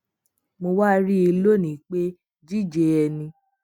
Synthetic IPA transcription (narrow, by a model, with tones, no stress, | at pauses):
mo˧wa˦ɾi˦e˧lo˦˨nĩ˨k͡pe˦ | d͡ʒi˦˨d͡ʒe˧ɛ˧nĩ˧